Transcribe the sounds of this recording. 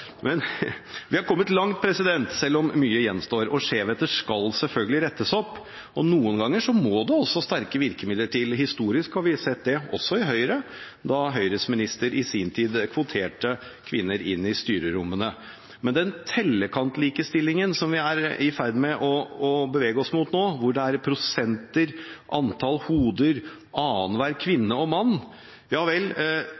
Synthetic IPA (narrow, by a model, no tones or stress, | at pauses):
mɛnʋɪhɑɾkʰɔmːət̪lɑŋt̪̚pʰɾɛsɪd̪ɛnt̪sɛlːɔmːyːəjɛnst̪oːɾɔʂeːʋət̪əʂkɑlsɛlfœlɡəlɪɾɛt̪ːəsɔpː | ʔɔnuːənɡɑŋːəʂɔmɔd̪ɛɔsːɔst̪æɾkəʋɪɾkəmɪd̪ːəʈʰɪlɦɪst̪uːɾɪskhɑɾʋɪsɛt̪d̪ɛɔ̰sːɔɪɦœʏɾə | d̪ɑɦœʏɾəsmɪnɪst̪əɾʔɪsiːnt̪ʰiːd̪kʰʋʊt̪ʰeːʈə | kʰʋɪnːəɾɪnːɪst̪yːɾəɾʊmːənə | mɛnd̪ɛnt̪ʰɛlːəkʰɑnt̪liːkəst̪ɪlːɪŋənsɔmʋɪæɾɪfæɾd̪mɛʔɔɔbəʋeːɡəɔsmut̪noːʋʊɖɛæɾpʰɾʊsɛnt̪əɾʔɑnt̪ʰɑlhuːd̪əɾ | ʔɑːnʋæːɾkʰʋɪnːəɔmɑnː | jɑːʋɛl